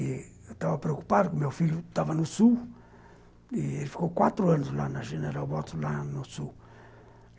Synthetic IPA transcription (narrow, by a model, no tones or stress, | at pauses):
t̪avapɾeoku̥paɾkomewfilut̪avanusu | ieɾfi̥kokwat̪ɾoanoslanaʃeneɾabot̪lanosu